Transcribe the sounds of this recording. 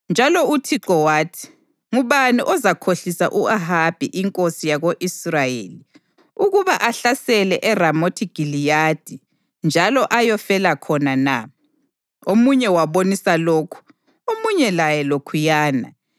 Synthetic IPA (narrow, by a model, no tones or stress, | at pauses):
nd͡ʒʱalɔutʰiǁɔwaːtʰi̥ | ŋuβaniʔɔzakʰoɬisa̰ʔuaɦab̥ʱiʔiŋkʼosijaɣoʔisrajeːli | uɣuβaʔaɬasɛlɛʔɛramotʰiɡ̥ʱilijad̥ʱi | nd͡ʒʱalɔʔajɔfɛlakʰɔnana | omuɲɛwaβonisaloːkʰu̥ | omuɲɛlajɛlokʰujaːna̰